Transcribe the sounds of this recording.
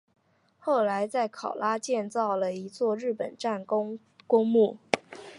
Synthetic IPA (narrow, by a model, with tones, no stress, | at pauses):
xo˥˩ʊla˧˥ɪt͡sa˥˩ɪkʰɑ˨˩ʊla˥t͡ɕjɛ˥˧nt͡sɑ˥˩ʊlə˩i˧˥t͡swɔ˥˧ɻɻ̩˥˩pə˨˩nʈ͡ʂa˥˩n | kʊ˥ŋmu˥˩